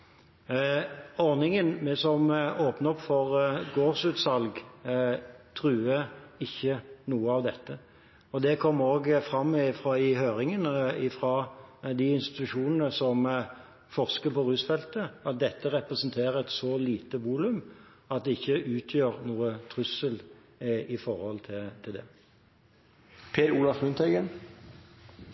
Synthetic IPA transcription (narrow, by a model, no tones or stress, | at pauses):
ɔʁnɪŋənmɛsɔmoːpnəɔpfɔʁɡoːʁsʉːt̪sɑlɡ | t̪ʰʁʉːəɪçːənuːəɑʋd̪ɛt̪ːə | ɔd̪ɛkʰɔmːəoːɡfʁɑmːɪfɾʁɑɪhøːɾɪŋənəɪfɾɑd̪ɪɪnst̪ɪ̥t̪ʉʂuːnənəsɔm | fɔʁskəpʰɔʁʉːsfɛlt̪əɑt̪̚d̪ɛt̪ːəʁɛpʁɛsənt̪ʰeːʁəɛt̪sɔliːt̪əʋuːlʉm | ɑt̪̚d̪ɛɪçːəʔʉːt̪ʰjøːʁnuːət̪ʰʁʉsəl | ɪfɔʁhɔlt̪ʰɪt̪ʰɪld̪ɛ | pʰeːɾuːlɑfmʉnt̪ʰœʏɡən